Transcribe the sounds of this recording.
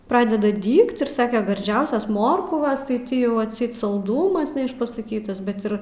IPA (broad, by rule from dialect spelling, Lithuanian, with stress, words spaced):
ˈprɑːdʲɛdɐ ˈdʲiːkt ɪr ˈsɑːkʲɛ ɡɐrʲˈd͡ʒʲɛʊsʲɛs ˈmoːrkʋɐs tɐɪ ˈtʲɪ ˈjɛʊ ɐtʲˈsʲɛɪt sɐlˠˈdʊmɐs nʲɛɪʃpɐsɐˈkʲiːtɐs ˈbʲɛt ɪr